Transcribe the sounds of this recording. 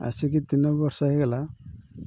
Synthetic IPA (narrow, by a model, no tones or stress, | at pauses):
a̰sik̬it̪inɔbbɔɾsɔaɦiɡɛla